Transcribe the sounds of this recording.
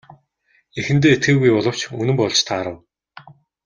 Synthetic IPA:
exɘ̆nt̪̬eːet̪̚ɡeːɣujpɔɮɞ̆w̥t͡ɕunɘ̆mpɔɮt͡ɕt̪ʰaːɾə̆w

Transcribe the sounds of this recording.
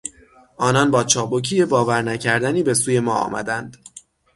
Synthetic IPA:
ʔɒːnɒːnbɒːt͡ʃʰɒːbocʰiːje̞bɒːvæɾnæcʰæɾd̪æniːbe̞suːje̞mɒːɒ̰ːmʔæ̰d̪ænd̪̥

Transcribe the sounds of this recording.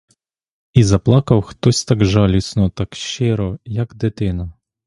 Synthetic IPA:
izɐplˠɑkɐwxt̪ɔsʲt̪ɑɡʒɑlʲisnɔt̪ɑkʃt͡ʃɪɾɔjɐkd̪ɪt̪ɪnɐ

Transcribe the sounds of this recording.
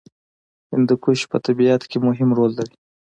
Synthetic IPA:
hɪnd̪əkuʃpət̪abiat̪kemʊɦɪmɾolːaɾi

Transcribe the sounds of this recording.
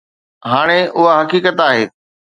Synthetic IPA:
ɦaːɽ̃eʊɦaɦɐkiːkət̪aːɦeː

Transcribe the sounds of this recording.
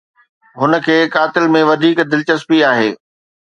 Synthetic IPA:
ɦʊnə̆kʰeːkaːt̪ɪlmẽʋɐd̪ʱiːkd̪ɪlt͡ɕəspiaːɦeː

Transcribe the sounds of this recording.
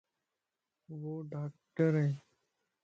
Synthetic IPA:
ʋoːɖaːk̚ʈəɾe

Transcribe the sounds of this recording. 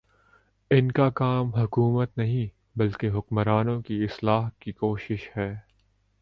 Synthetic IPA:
ɪnkakaːmɦʊkuːmət̪nɐɦĩ | bɐlkeɦʊkmɾaːnõkiɪslaːɦkikoːʃɪʃhɛː

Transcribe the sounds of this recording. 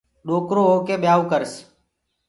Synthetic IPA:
ɗoːkɾoːɦoːkeːɓjaːuːkəɾs

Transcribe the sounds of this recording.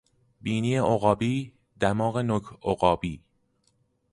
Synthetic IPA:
biːniːeʔoɣɒːbiː | d̪æmɒːɣenokʰoɣɒːbiː

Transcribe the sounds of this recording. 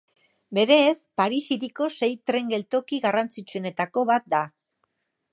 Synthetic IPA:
be̞ɾe̞ːspaɾisiɾiko̞se̞jt̪ɾe̞ŋɡe̞lt̪o̞kiɣarant͡sit͡sue̞ne̞t̪ako̞βat̪̚d̪a

